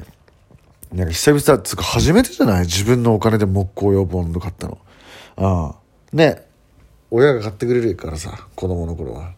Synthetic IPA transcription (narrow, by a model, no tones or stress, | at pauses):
nãŋkaçʲi̥sabʲisat͡sɨ̥kahaʑime̞t̪e̞ʑanaid͡ʑibɯ̟̃nːo̞ːkane̞d̪e̞mo̞kːo̞ːjo̞ːbɯõnd̪okat̪ːa̰no̰ | ãː | ne̞ | o̞jaɡakat̪ːe̞kɯ̟ɾe̞ɾɯ̟akaɾasa̰ko̞d̪o̞mo̞no̞ko̞ɾo̞̰βa̰